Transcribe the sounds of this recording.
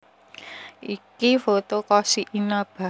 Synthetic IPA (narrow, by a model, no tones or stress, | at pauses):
ʔikifot̪okɔsiʔinab̥a̤